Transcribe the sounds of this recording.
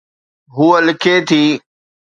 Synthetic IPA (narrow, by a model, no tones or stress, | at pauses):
ɦuːəlɪkʰeːt̪ʰiː